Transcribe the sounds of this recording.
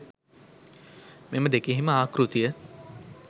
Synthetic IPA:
meməd̪ekiɦiməaːkɾut̪ijə

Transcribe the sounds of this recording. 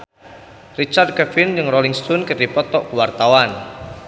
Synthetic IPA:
rit͡ʃard̪̚kɛfɪnjɨŋrɔliŋst̪unkədipɔt̪ɔʔkuwart̪awan

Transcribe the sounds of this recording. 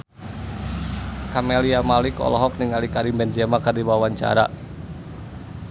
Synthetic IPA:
kameliamalikɔ̰lɔɦɔk̚niŋalikaɾimbɛnd͡ʒɛmakərdibawaɲt͡ʃa̰ɾa̰

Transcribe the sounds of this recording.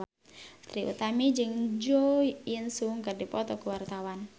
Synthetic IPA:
t̪ɾiʔṵt̪amid͡ʒɨŋd͡ʒoinsuŋkərdipɔt̪ɔkəwart̪awan

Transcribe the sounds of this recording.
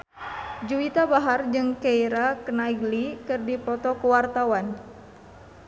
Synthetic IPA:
d͡ʒuwit̪abaɦard͡ʒɨŋkeiɾakənaiɡlikɨrdipɔt̪ɔkəwart̪awan

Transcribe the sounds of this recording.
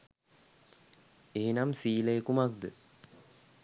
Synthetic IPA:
eːnamsiːləekumakd̪ə

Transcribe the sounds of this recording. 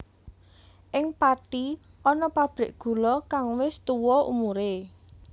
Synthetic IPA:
ʔɪŋpaʈi | ʔɔnɔpab̥ɾɪ̤ʔɡ̥ṳlɔkaŋwɪst̪uwɔṵmuɾe

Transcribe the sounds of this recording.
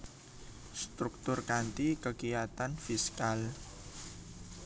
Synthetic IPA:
st̪ɾuk̚t̪ʊrkant̪ikəɡijat̪anfiskal

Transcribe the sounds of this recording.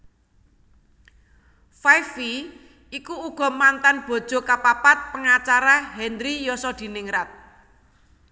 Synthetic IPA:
fajfi | ikuuɡ̥ɔ̤mant̪anb̥ɔ̤d̥ʒ̥o̤kapapat̪̚pəŋat͡ʃaɾaɦɛndɾijɔsɔd̪̥i̤nɪŋɾat̪̚

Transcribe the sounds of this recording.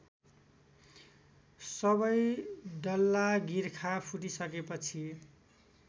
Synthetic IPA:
sʌbʌjɖʌlːaɡiɾkʰapʰuʈisʌkepʌt͡sʰi

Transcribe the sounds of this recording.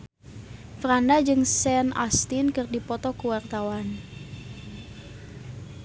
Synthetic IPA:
frandad͡ʒɨŋsɛnast̪inkɨrdipɔt̪ɔkuwart̪awan

